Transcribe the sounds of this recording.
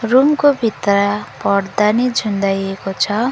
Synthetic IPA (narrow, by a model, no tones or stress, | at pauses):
rumkobʱit̪rapʌrd̪anid͡zʱund̪ajekot͡sʰʌ